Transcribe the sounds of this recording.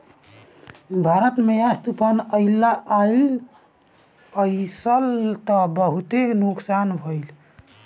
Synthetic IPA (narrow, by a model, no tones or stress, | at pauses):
bʱaɾət̪meast̪upanəjlːaʔail | əjsəlt̪ɔbəɦut̪eknuksanbʱəjl